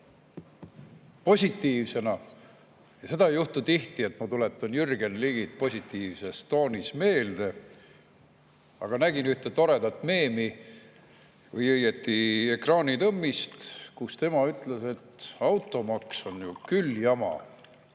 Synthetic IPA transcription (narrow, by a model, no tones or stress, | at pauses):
po̞sʲit̪ːiːvse̞nɑ | jɑse̞d̪ɑjuht̪ut̪iht̪ie̞t̪ːmɑt̪ule̞t̪ːˑɑnjyrɡ̥e̞nliɡ̥it̪̚po̞sʲit̪ːˑiːvse̞st̪o̞ːnisme̞ːld̪̥e̞ | ɑ̰ɡ̥ɑnæɡ̥inyht̪e̞t̪o̞ɾe̞d̪̥ɑt̪ːˑme̞ːmi | vɯjɤjet̪ːie̞krɑːnit̪ɤmːist̪kust̪e̞mɑyt̪ːˑlese̞t̪ːɑwt̪ˑːo̞mɑkso̞njukyljɑmɑ̰